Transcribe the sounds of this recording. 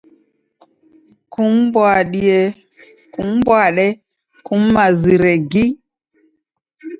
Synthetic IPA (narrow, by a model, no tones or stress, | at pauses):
kumbwaɗije | kumbwaɗɛ | kumːaziɾeɡi